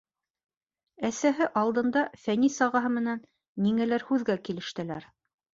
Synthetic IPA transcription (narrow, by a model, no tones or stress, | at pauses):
æsæɦɘʔɑlˠd̪ɤ̆nd̪ɑfænisɑʁɑɦɤmɘ̆nænː | iŋælæɾhʉðɡækilɘ̆ʃt̪ɘ̆læɾ